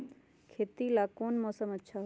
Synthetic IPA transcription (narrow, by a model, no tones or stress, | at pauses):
kʰeːt̪ilakoːnmɔːsəmətːʃʰaɦ